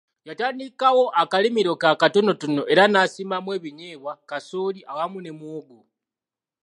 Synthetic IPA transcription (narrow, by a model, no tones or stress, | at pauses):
jataːndikawo̞ʔakalimiɾokakato̞no̞tunoʔe̞ɾanaːsimamwe̞ːβiɲe̞βwakasoːliʔawamune̞mwoɡo